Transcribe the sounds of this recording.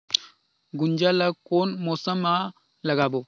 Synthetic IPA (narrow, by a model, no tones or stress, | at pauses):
ɡund͡ʒalakonmosama | laɡabo